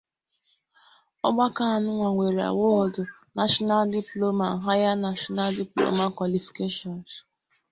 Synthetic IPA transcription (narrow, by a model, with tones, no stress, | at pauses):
ɔ˦ɡ͡ba˦ka˦a˨nʊ˦ŋʷa˨ŋʷe˨ɾe˨a̰˨wo˦˨dʊ˨ | na˨ʃɔ˦na˦ldi˨plo˦ma˨ɦa˦ja˦na˨ʃɔ˦na˦ldi˨plo̰˦ma˦kʷwa˨li˨fi̥˨ke˦ʃɔ˨n˨s